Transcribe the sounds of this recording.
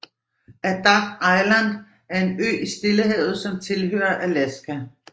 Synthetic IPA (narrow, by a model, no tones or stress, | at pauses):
æd̥ɑɡ̥ɑ̈ɪlænd̥ | æɐe̝nø̰ːisd̥e̝ləɦeðð̞̩ˠsɒ̽mt͡sʰe̝lɦø̰ːɐʔælæsɡ̥æ